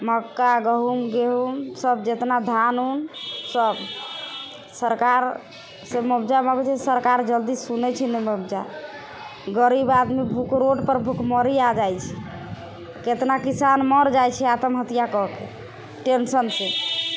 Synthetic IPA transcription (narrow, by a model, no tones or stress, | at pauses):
məkːaɡəɦumɡeɦumsəbd͡ʒet̪nad̪ʱanunsəb | səɾkaɾ | seməbd͡ʒaməɡt͡ʃɛsəɾkaɾd͡ʒəld̪isunɛt͡ʃʰinɛməbd͡ʒa | ɡəɾibad̪mibʱukɾoʈpəɾbʱukʰməɾiad͡ʒajt͡ʃʰi | ket̪nakisanməɾd͡ʒajt͡ʃʰɛat̪əmɦət̪ijakɔɦkḛ | ʈensənse